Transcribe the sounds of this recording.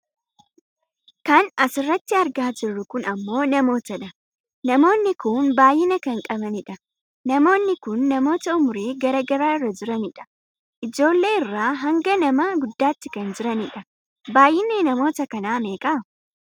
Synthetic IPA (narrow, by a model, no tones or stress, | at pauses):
kɐnɐsɪrːɐt̪ːɪɐɾɡaːd͡ʒɪrːʊkʊnɐmːo̞ːnɐmo̞ːt̪ɐᶑɐ | nɐmo̞ːnːɪkʊnbaːjːɪnɐkɐŋkʼɐbɐnɪᶑɐ | nɐmo̞ːnːɪkʊnːɐmo̞ːt̪ɐʊmʊɾeːɡɐɾɐɡɐɾaːɪrːɐd͡ʒɪɾɐnɪᶑɐ̥ | ʔɪd͡ʒo̞ːlːe̞ːɪrːaːɦɐŋɡɐnɐmɐɡʊd̪ːaːt̪ːɪkɐnd͡ʒɪɾɐnɪᶑɐ | baːjːɪnenɐmo̞ːt̪ɐkɐnaːme̞ːkʼɐ